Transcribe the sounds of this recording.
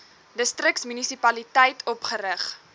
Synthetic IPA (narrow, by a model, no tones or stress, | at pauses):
dəstrəksmynisipɐlitɛjtʰɔpχəɾəχ